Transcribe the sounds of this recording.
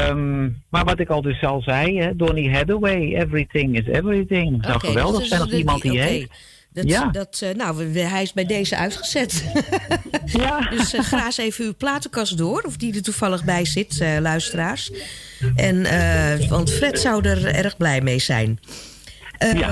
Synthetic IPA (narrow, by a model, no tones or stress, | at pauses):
əmmaɹʋɔtɪkɔlˠdøsːɑlˠzɛjɛdoniɦɛdəwejɛvɹiθɪ̃ŋɪsɛ̰vɹiθɪ̃ŋsɔwkəʋɛlˠdəsɛjnɔfimɑntdie | dɔjadɔtnowɦɛjɪsbɛjdeːjzəʔœ̰ɥtxəsɛt | jadøsxraːseːvənyplaːtəkɑsdʊːrɔfdidətufɑlˠəɣbɛjsɪtəlœɥstəraːrs | ʔɛnəʋɑntfrɛtsɔwdərɛ̰rɣblɛjmejsɛ̰jn | əja